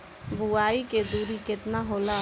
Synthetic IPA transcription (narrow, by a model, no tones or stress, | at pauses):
bʱuaiked̪uɾiket̪naɦola